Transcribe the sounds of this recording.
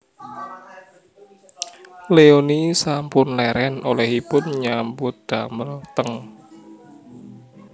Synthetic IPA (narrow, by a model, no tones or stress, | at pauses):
leonisampʊnlɛɾɛnolɛhipʊnɲambʊt̪̚d̪̥aməlt̪əŋ